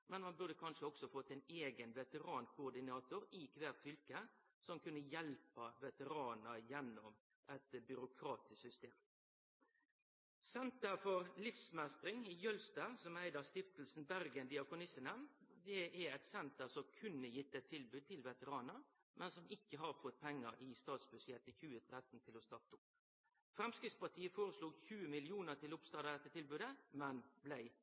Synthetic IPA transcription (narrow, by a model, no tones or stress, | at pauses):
mɛnmɑnbʉʁd̪əkʰɑnʂəɔksɔfɔt̪ːɛɪneːɡənʋɛt̪əɾɑːnkʰʊːɾd̪ɪnɑːt̪ʊɾɪkʰʋæːʁt̪fʏlkə | sɔmkʰʉnːəjɛlpɑʋɛt̪əɾɑːnəɾjɛnːɔm | ʔɛt̪bʏɾʊkʰɾɑːt̪ɪssʏst̪eːm | sɛnt̪əɾfɔɾlɪfsmæst̪ɾɪŋɪjœlst̪ɑsɔmæɪd̪əɾst̪ɪft̪l̩sn̩bæɾɡənd̪ɪɑkʊnɪsənɛmd̪ɛʔæɛt̪sɛnt̪əɾsɔmkʰʉnːəjɪt̪ːəɛt̪ʰːɪlbʉːd̪̚t̪ʰɪlʋɛt̪əɾɑːnəɾ | mʔɛnsɔmɪkːəɦɑɾfɔt̪̚ːpʰɛŋːəɾɪst̪ɑːt̪sbʉsjɛt̪əçʉːət̪ʰɾɛt̪n̩t̪ʰɪlɔst̪ɑt̪ːʊp | fɾɛmskɾɪd̪spɑʈ̪ʰiːəfoːɾəsluːɡçʉːəmɪlɪuːnəʁt̪ʰɪlʊpst̪ɑːd̪əd̪ɛt̪ːət̪ʰɪlbʉːd̪əmɛnblæɪ